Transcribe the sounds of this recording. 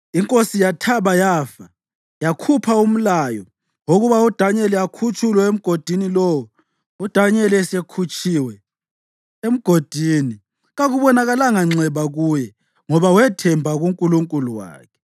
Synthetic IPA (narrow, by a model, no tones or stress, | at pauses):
iŋkʼosijatʰaβajaːfa | jakʰupʰaum̩lajɔ | woɣuβaud̥ʱaɲɛlɛakʰut͡ʃʼulwɛem̩ɡ̥ʱod̥ʱinilɔwɔ | ud̥ʱaɲɛlɛsekʰut͡ʃʰʼiwɛ | em̩ɡ̥ʱod̥ʱiːni | ɣaɣuβɔnaɣalaŋaŋ͡ǀɛβaɣujɛ | ŋɔβawɛtʰɛmbʱaɣuŋkʼuluŋkʼuluwa̰ːkʰɛ̥